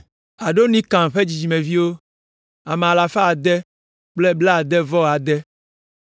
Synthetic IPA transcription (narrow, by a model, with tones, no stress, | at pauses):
a˨ɖo˦nĩ˦kã˨ŋɸe˦d͡ʑi˨d͡ʑi˨mẽ˨vi˦wo˦ | a˨mɛ˨a˨la˨fa˦a˨d̪ɛ˦ | k͡plɛ˦blɛ˦a˨d̪ɛ˦vɔ˦˨a˨d̪ɛ˦